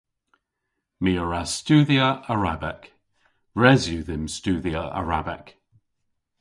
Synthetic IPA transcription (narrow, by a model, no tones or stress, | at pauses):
miəɹastʉːðiəʔəɹa̰bɛk | ɹɛzjʉðɪmstʉːðiəʔa̰ɹabɛ̰k